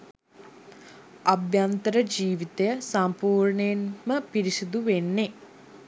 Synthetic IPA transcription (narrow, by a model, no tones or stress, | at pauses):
ɐbjant̪əɾəd͡ʒiːʋit̪əjəsampuːɾɳəjenməpiɾisud̪uʋenːe